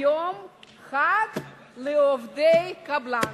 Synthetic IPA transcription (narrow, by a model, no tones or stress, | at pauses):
om | χad̪ | leovd̪ejkabla